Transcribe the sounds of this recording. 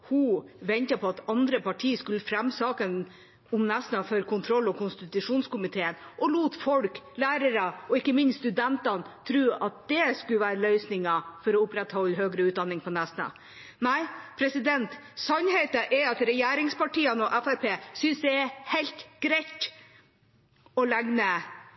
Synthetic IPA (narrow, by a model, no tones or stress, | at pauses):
huʋɛnt̪ɑpʰɔɑt̪ɑnd̪ɾəpɑʈʰiːskʉləfɾɛmːsɑːkən | ʊmnæsnɑfɔɾkʰʊnt̪ʰɾɔlːɔkʰʊnst̪ɪt̪ʉʂuːnskʊmɪt̪ʰeːənʔɔluːt̪fɔlklæːɾəɾɑɔɪkːəmɪnsst̪ʉd̪ɛnt̪ɑnt̪ʰɾʉːɑt̪̚d̪̥ɛskʉləʋæːɾəlœʏsnɪŋɑfɔɾɔʊpɾɛt̪hɔlːɦøːɡɾəʉːt̪̚d̪ɑnːɪŋpʰɔnæsnɑ̰ | næɪpʰɾɛsɪd̪ɛnt̪sɑnhɛɪt̪ɑʔɛɑt̪ɾɛjæːɾɪŋspɑʈiːənɔʔæfæɾpeːsʏnsd̪ɛɛhɛɪlt̪ɡ̥ɾæɪt̪ | ɔlæɡnə